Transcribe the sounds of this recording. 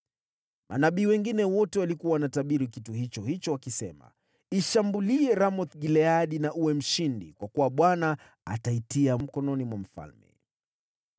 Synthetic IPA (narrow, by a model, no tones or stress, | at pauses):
mʔa̰naɓiːwɛŋɡinɛwɔtɛwalikuaanataɓiɾikituhit͡ʃɔhit͡ʃɔwakisɛ̰ma̰ | iʃambuliɛɾamɔθɡilɛaɗinaʔuwɛm̩ʃindikwakuwaɓwana | a̰taitiam̩kɔnɔnimwam̩fa̰lmɛ̰